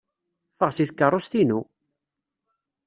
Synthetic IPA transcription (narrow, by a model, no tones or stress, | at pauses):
fəʁsiθkːərˤːost̪inu